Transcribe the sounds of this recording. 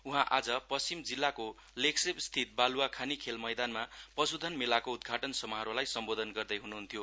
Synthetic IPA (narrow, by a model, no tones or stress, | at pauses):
uɦãʔa̰d͡zʌpʌst͡simd͡zilːako | leksebst̪ʰit̪̚baluwakʰanikʰelmʌjd̪anmapʌsud̪ʱʌnmelakoud̪̚ɡʱaʈʌnsʌmʌɦʌɾolajsʌmbod̪ʱʌnɡʌrd̪ʌjɦunuɦunt̪ʰjo